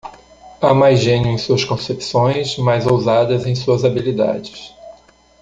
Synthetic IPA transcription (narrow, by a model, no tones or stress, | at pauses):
amajʒẽnjʊẽj̃suɐskõsepi̥sõj̃zmajzowzad̪ɐzẽj̃suɐzabilid̪a̰d͡ʒɪs